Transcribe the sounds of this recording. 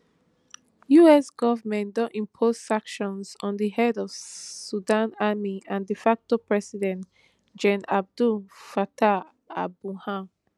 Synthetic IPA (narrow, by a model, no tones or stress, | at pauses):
juɛsɡ̥ɔvəmɛ̃ndɔ̃ntĩmpʰoz̥sãkʃɔ̃nsɔ̃ndiɦɛdɔv̥sudãnamiãndifak̚topɹɛsidɛ̃nt | d͡ʒɛ̃nab̚dulfatʰa | abuhã